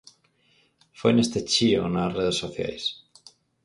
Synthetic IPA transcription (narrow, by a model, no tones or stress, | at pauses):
fojnest̪et͡ʃio̰nareð̞esːoθja̰js